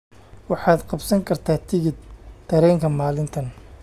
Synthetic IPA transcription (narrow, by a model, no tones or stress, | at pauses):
wɑħɑːd̪qɑbsɐŋkʰɐrt̪ʰaːt̪ʰɪɣɪd̪t̪ʰːɐɾɛːŋkʰɐmaːlɪnt̪ʰɐn